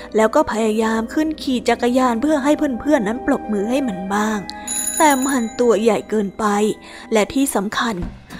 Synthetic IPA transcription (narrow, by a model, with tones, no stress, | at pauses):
lɛː˦˥wkɔː˥˩pʰa˧jaː˧jaː˧mkʰɯ˥˩nkʰiː˨˩t͡ɕa˨˩kːa˧jaː˧npʰɯ˥˩ɐɦa˥˩jpʰɯ˥˩˨npʰɯ˥˩ənːa˦˥nplo˨˩p̚mɯː˧ɦa˥˩jma˦˥nbaː˥˩ŋt̪ɛː˨˩ma˧nt̪u˧ɐja˨˩jkɤː˧npa˧j | lɛ˦˥t̪ʰiː˥˩sa˩˦mkʰa˧n